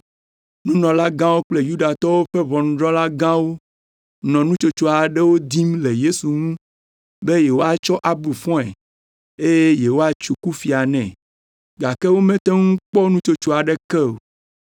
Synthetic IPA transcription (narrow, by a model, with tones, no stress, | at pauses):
nũ˦nɔ̃˨la˦ɡã˦wo˦k͡ple˦ju˦ɖa˨t̪ɔ˦wo˦ɸe˦βɔ̃˨nũ˨ɖɾɔ̃˦la˦ɡã˦wo˦ | nɔ̃˨nũ˦t͡ʃo˦t͡ʃo˦a˨ɖe˦wo˦d̪i˦mle˨je˦su˨ŋũ˦ | be˦je˨wo˦a˨t͡ʃɔ˦ʔa˨bu˨fɔ̃˦ɛ˨ | e˦je˦je˨wo˦a˨t͡ʃu˨ku˦fi˨a˨nɛ̃˨ | ɡa˨ke˦wo˦mɛ̃˦t̪e˦ŋũ˦k͡pɔ˦nũ˦t͡ʃo˦t͡ʃo˦a˨ɖe˦kɛ˦o˨